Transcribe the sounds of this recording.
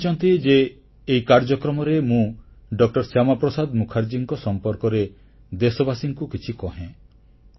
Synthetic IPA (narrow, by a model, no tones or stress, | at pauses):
t͡ʃʰɔnt̪id͡ʒeː | ikaɾd͡ʒɔkɾɔmɔɾemũ | ɖɔk̚ʈɔɾsjamapɾɔsad̪mukʰaɾd͡ʒiŋkɔsɔmpɔɾkɔɾe | d̪esɔbasiŋkukit͡ʃʰikɔɦẽ